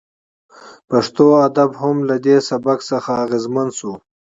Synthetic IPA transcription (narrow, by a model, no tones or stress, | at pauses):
paʂt̪oad̪abhamlad̪esabaksaxaːɣezmand̪su